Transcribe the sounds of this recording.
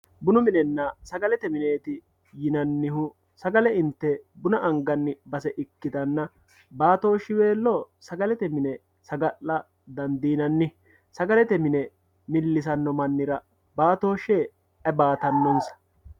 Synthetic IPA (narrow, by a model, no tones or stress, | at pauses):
bʊnʊmɪnɛnːɐsɐɡɐlɛt̪ɛmɪneːt̪ɪ | jɪnɐnːɪhʊ | sɐɡɐlɛɪnt̪ːɛbʊnɐʔɐŋɡɐnːɪbɐsɛʔɪkːɪd̪ɐnːɐ | baːt̪o̞ːʃːɪwe̞ːlːɔ | sɐɡɐlɛt̪ɛmɪnɛ | sɐɡɐlːɐ | d̪ɐnd̪iːnɐnːɪ | sɐɡɐlɛt̪ɛmɪnɛ | mɪlːɪs̬ɐnːɔmɐnːɪɾɐ | baːt̪o̞ːʃːe | ɐbaːt̪ɐnːɔnsɐ̥